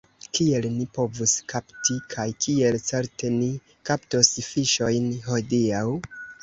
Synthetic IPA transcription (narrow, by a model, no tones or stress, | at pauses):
kie̞lnipo̞vuskʰaptikʰajkʰie̞lt͡se̞ɾte̞ni | kaptosfiʃo̞jnɦo̞diaw